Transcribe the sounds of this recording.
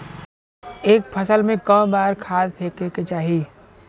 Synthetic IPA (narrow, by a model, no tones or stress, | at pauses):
eːk̚pʰəsəlmẽkə̃ːbaːɾkʰaːd̪t̪ʰeːkeːket͡ʃaːɦi